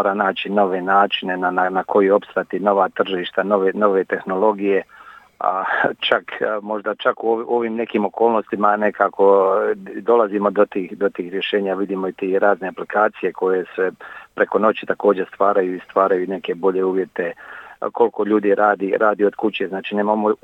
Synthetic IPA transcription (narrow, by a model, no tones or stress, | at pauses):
oːɾanaːt͡ɕino̞ʋe̞naːt͡ʃinenananakʰo̞jio̞pst̪ɾat̪ino̞ʋat̪r̩ʒliʃt̪ano̞ʋeno̞ʋet̪e̞xno̞lˠo̞ɡije̞ | a̰t͡ʃakmo̞ʒd̪at͡ʃakuoo̞ʋiːmne̞kiːmo̞koːlˠno̞st̪imane̞kaːko̞ | d̪o̞lazimo̞d̪ot̪iːxd̪o̞t̪iːxɾʲjeʃe̞ːɲaʋid̪iːmoit̪iːɾaːzne̞aplikaːt̪sije̞kʰo̞je̞sʋepɾe̞ko̞no̞t͡ɕit̪ako̞ːd͡ʑest̪ʋaːɾajuist̪ʋaːɾajuːne̞ke̞bo̞ʎe̞uːʋje̞t̪e̞kʰo̞lko̞ʎuːd̪iɾʔaːd̪iɾaːd̪io̞d̪kut͡ɕeznaːt͡ʃiːneːmamo